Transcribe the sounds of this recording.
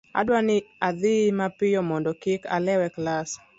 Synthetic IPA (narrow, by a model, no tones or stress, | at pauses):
a̰dwanɪaðɪmapɪjɔmɔndɔkɪkalɛwɛklas